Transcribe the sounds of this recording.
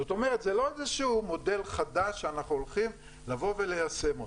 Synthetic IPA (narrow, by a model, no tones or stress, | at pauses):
zot̪o̞me̞ʁet̪zelo̞ezeʃumo̞de̞lχadaʃːeanaχnuolχim | lavo̞ve̞lejase̞mo